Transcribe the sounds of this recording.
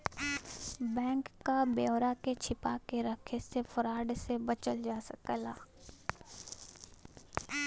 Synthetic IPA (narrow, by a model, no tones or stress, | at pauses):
bɛ̃ːŋkːabeoɾaket͡ʃʰɪpakeɾəkʰesefəɾaːɖsebət͡ʃəld͡ʒaːsəkəlaː